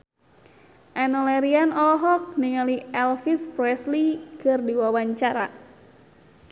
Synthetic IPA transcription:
ʔɛnɔlɛɾianɔlɔɦɔk̚niŋaliɛlfispɾɛslikɨrdiwawaɲt͡ʃaɾa

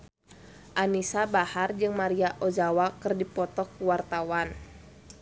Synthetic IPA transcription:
ʔanisabahard͡ʒɨŋmaɾiaʔod͡ʒawakɨrdipɔt̪ɔkuwart̪awan

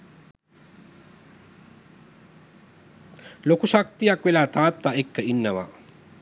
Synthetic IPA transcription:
lokuʃak̚t̪ijakʋelaːt̪aːt̪ːaekːəinːəʋa̰

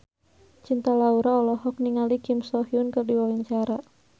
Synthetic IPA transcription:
t͡ʃint̪alauɾaɔlɔɦɔk̚niŋalikimsɔhiʊnkərdiwawiɲt͡ʃaɾa

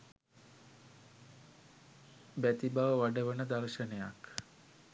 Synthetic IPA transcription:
bæt̪ibaʋəʋaɖəʋənəd̪aɾʃənejak

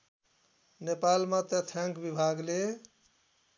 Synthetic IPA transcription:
nepalmãt̪et̪ʰãŋkbibʱaɡle

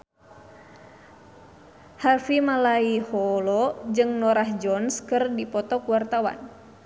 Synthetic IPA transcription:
hafimalaihɔlɔd͡ʒɨŋnɔɾaɦd͡ʒɔnskɨrdipɔt̪ɔkuwart̪awa̰n

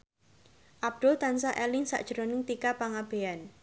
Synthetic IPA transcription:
ʔab̚d̪̥ʊlt̪ansaʔɛlɪŋsa̰ʔd̥ʒ̥əɾonɪŋt̪ikapaŋab̥e̤an

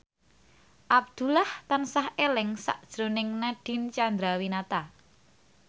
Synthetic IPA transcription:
ʔab̚d̪̥ṳlaht̪ansahelɪŋsa̰ʔd̥ʒ̥ɾo̤nɪŋnaɖ̥i̤nt͡ʃand̪ɾawinat̪a

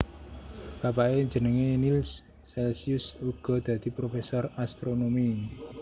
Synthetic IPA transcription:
b̥apaeɲd͡ʒə̤nəŋenilsː | ɛlsiʊsuɡ̥ɔ̤d̪̥ä̤d̪̥i̤pɾofesɔrast̪ɾonomi

